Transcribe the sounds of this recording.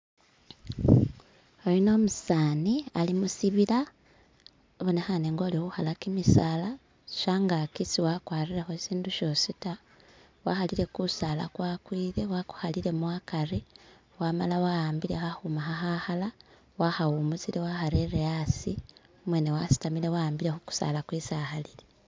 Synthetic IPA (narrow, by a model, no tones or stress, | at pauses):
oɾino̞ːmusaːnialimusiβila | βonexaneːŋɡo̞ːlihuhalakimisaːlḁ | ʃaŋɡakisiwakwaːriɾexo̞siːnduʃo̞sita | waxaliɾe̞kusala̰kwaːkwiːðe̞waku̥halile̞mwakaɾe | waːmalawajaːmbilehahumaxaxahala | wahawumuziɾewaxaɾeɾejasi | omwenewasi̥tamilewaaːmbiɾexoku̥sa̰lakwiːsahalile